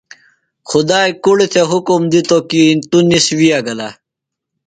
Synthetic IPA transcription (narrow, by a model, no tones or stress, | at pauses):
xud̪aːjkuɽit̪ʰeɦukumd̪it̪okint̪uniswijaɡɐla